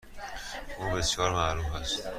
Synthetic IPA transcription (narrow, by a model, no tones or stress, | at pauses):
ʔuːbesjɒːɾmæɾuːfæst̪